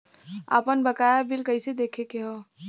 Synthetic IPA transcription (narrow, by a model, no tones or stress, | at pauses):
a̰pənbəkajabilkəɪsed̪ekʰekeɦɔ